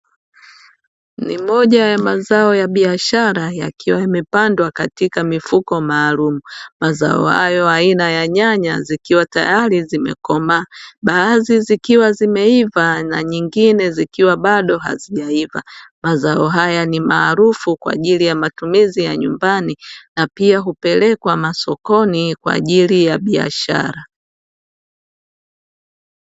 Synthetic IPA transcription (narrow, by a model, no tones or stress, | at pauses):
nḭmɔʄajamazaɔjaɓiaʃaɾaja̰kʰiwaimɛpandwakatikamifukɔmaːlumumaza̰ɔ̰ha̰jɔainajaɲaɲa̰zikiwata̰jaɾizimɛ̰kɔmaːɓaːzizikiwazimɛivana̰ɲiŋɡinɛzikiwaɓaɗɔɦa̰ziʄaiva̰mazaɔɦajanimaːɾufukwa̰ːʄilijamatumizijaɲumbaninapiaɦupɛlɛkwamasɔkɔnikwa̰ːʄilijaɓia̰ʃa̰ɾa